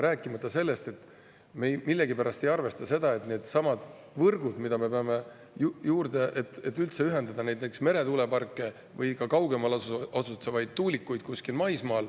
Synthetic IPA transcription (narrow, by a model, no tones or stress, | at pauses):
ɾæːkːˑimɑt̪ːˑɑse̞lːe̞st̪e̞t̪ː | memilːe̞ɡipæɾɑst̪e̞jɑrve̞st̪ɑse̞d̪̥ɑe̞t̪ˑne̞ːd̪̥sɑmɑd̪ | vɤrɡud̪̥mid̪̥ɑme̞pe̞ɑme̞ | jjuːrd̪̥e̞ʔet̪et̪ːˑylt̪se̞yɦe̞nd̪ɑd̪̥ɑne̞jd̪neksme̞ɾe̞t̪ule̞pɑrkːˑe̞ | vɤjkɑkɑwɡ̥e̞mɑlosut̪sevɑjd̪̥̚t̪uːlʲikːujd̪̥̚kuskilmɑjsmɑːl